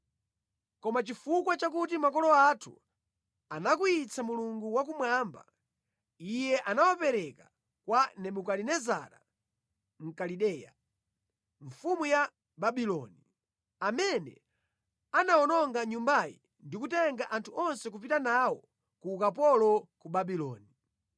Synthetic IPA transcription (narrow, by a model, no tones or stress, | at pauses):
kɔmat͡ʃifukwat͡ʃak̬utimakɔlɔatʰṵ | anakuit͡sʰamuluŋɡuwak̬umwaːmba̰ | ijɛʔanawapɛɾɛka | kwanɛɓukalinɛza̰ɾa | m̩kaliɗɛːja̰ | ɱfumuja | baɓilɔ̰ni | amɛnɛ̰ | anaɔnɔŋɡaɲumbajḭ | ndikutɛŋɡaʔantʰuʔɔnsɛk̬up̬itanawɔ | kuːkapɔlɔkuɓaɓilɔ̰ːni